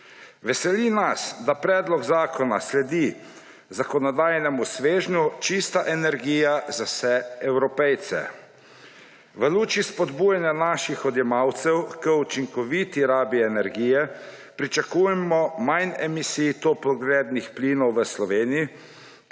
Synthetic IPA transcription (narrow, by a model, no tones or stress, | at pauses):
ʋɛsɛlinasd̪apɾɛːd̪lɔɡzaːkɔna̰slɛd̪i | zakɔnɔd̪aːjnɛmusʋeːʒnut͡ʃist̪aʔɛnɛɾɡiːjazasɛɛwɾɔpɛjt̪sɛ̰ | ʋəluːt͡ʃispɔd̪bujanjanaʃixɔd̪jɛmawt̪sɛwkəut͡ʃiŋkɔʋit̪iɾaːbiɛnɛɾɡiːjɛ | pɾit͡ʃakujɛmɔmajnɛmisit̪opɔɡlɛːd̪nixplinɔwʋəslɔʋeːniji